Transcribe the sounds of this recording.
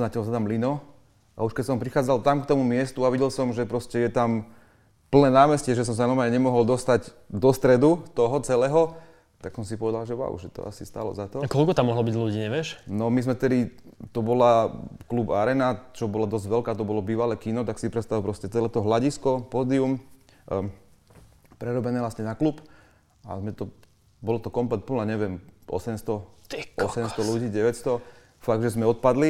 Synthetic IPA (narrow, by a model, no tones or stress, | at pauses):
nacɛls̬at̪amlinɔ | a̰uʃkɛcsɔmpɾixaːd͡zalt̪amkt̪ɔmumɪɛst̪uaʋiɟɛlsɔmʒɛpɾɔscɛjɛt̪am | pl̩nɛːnaːmɛscɛʒɛs̬ɔms̬anɔɾmaɲɛɲɛmɔɦɔld̪ɔst̪aɟ | d̪ɔst̪ɾɛd̪ut̪ɔɦɔt͡sɛlɛːɦɔ | t̪aksɔmsipɔʋɛd̪alʒɛʋa̰ʊʒɛt̪ɔ̰a̰sist̪a̰ːlɔ̰zat̪ɔkɔlkɔt̪amːɔɦlɔbiɟluɟiːɲɛʋɛʃnɔmizmɛft̪ɛd̪it̪ɔbɔlaklubaɾɛːnat͡ʃɔbɔlad̪ɔzɟʋɛlkaːt̪ɔbɔlɔbiːʋalɛːkinɔt̪aksipɾɛt̪st̪apɾɔscɛt͡sɛlɛt̪ɔɦlaɟiskɔpɔːd̪ium | pɾɛɾɔbɛnɛːʋlastɲɛnaklup | a̰zmɛt̪ɔ | bɔlɔt̪ɔkɔmplɛt̪pɔnaɲɛʋɛmɔ̰sɛmst̪ɔt̪ɛkʔɔsɛmst̪ɔluɟiːɟɛʋɛtst̪ɔ | faɡ̚d̪ʒɛzmɛɔt̪̚pad̪li